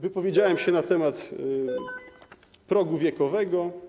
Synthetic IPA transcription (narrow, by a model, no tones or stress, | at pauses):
vɘpɔvʲjed͡ʑawɛmɕɛnat̪ɛmat̪ | pɾɔɡuvʲjɛkɔvɛɡɔ